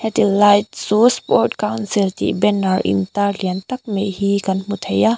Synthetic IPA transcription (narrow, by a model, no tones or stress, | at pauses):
hɛtilajt̚suspɔɾt̚kawnsilt̪ḭʔbɛnaɾḭnt̪aliənt̪ɐk̚meʔhikanmut̪ʰɐja